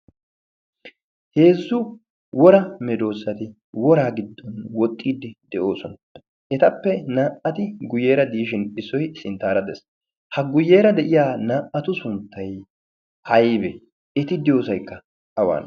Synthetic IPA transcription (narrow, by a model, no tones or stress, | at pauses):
he̞ːzːʊ | wɔɾɐmɛd̪o̞ːsːɐt̪ɪ | wɔɾaːɡɪd̪ːɔnwɔt̪ʼːiːd̪ːɪd̪ɛʔo̞ːsɔn | ʔɛt̪ɐpːɛnaːʔɐt̪ɪɡʊjeːɾɐd̪iːʃɪnɪsːɔjsɪnt̪ːaːɾɐd̪ɛs | hɐɡʊjːe̞ːɾɐd̪ɛʔɪjaːnaːʔɐt̪ʊsʊnt̪ːɐj | hɐjbɛ | ɪt̪ɪd̪ɪjo̞ːsɐjkːɐ | ɐwa̰ːn